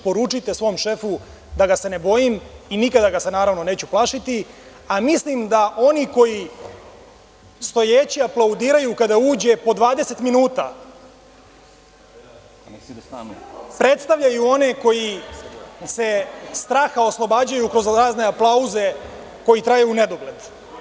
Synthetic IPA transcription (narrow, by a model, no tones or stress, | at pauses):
po̞ɾut͡ʂit̪e̞sʋo̞mʃe̞fu | d̪aɡase̞nebo̞jiminikad̪aɡase̞naːɾaʋno̞ne̞ːt͡ɕuplˠaʃit̪i | amislimd̪aʔo̞niko̞ji | st̪o̞jeːt͡ɕiaplˠaud̪iːɾajukad̪auːd͡ʑe̞po̞d̪ʋaːd̪ese̞t̪minuːt̪a̰ | pɾe̞t̪st̪aʋʎajuo̞ne̞ko̞ji | se̞st̪ɾaːxao̞slˠo̞baːd͡ʑajukɾo̞zɾaːzne̞aplˠauze̞ | ko̞jit̪ɾajeune̞d̪o̞ɡle̞d̪